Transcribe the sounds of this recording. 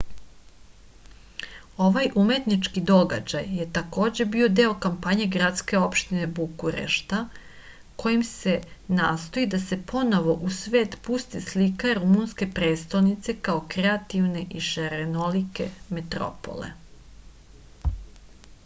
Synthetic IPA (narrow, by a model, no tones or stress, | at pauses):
o̞ʋajʔume̞t̪nit͡ʃkid̪o̞ɡa̰d͡ʑajːje̞t̪ako̞ːd͡ʑe̞bio̞d̪e̞o̞kampaɲe̞ɡɾat̪ske̞o̞pʃt̪ine̞bukuɾḛʃt̪a | ko̞jimse̞naːst̪o̞id̪ase̞pʰo̞no̞ʋo̞ʔusʋe̞ːt̪pust̪islikaɾumunske̞pɾe̞ːst̪alnit̪se̞kao̞kɾeat̪iʋne̞ʔiʃeɾenolike̞̰met̪ɾo̰po̞̰lḛ